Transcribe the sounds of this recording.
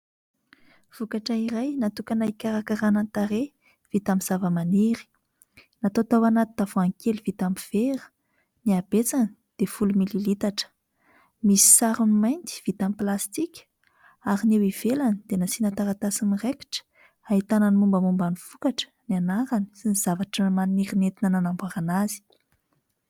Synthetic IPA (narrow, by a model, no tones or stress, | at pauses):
v̥ukaʈ͡ʂaiɾajnat̪ukanaikʲaɾakaɾanant̪aɾe | v̥it̪amiz̥avəmaniɾi̥ | nat̪ot̪awanat̪i̥d̪avoaŋkelivit̪amiv̥eɾə̥ | niabet͡sani̥ | d̪̥efulumililit̪aʈ͡ʂə̥ | misi̥saɾunimajnt̪i̥v̥it̪amiplast̪ikʲ | aɾinewiv̥elanid̪enasinat̪aɾat̪asinireki̥ʈ͡ʂə̥ | ait̪ananimumbəmumbaniv̥ukaʈ͡ʂə̥nanaɾani̥siniz̥avaʈ͡ʂəmaniɾinet̪inənanambaɾanazi̥